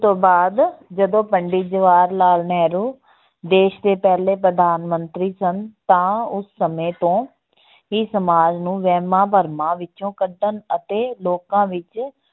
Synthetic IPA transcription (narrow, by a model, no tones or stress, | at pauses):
t̪õːbaːd̪d͡ʒəd̪õːpəɳɖiːd͡ʒəʋaːɾlaːlnɛːɾuː | d̪eːʃd̪eːpɛːleːpɾəd̪aːnmənt̪ɾiːsənt̪ãːʊsːəmẽːt̪õː | iːsəmaːd͡ʒnũːʋɛːmãːpəɾmãːʋɪt͡ʃõːkəɖənət̪eːloːkãːʋɪt͡ʃ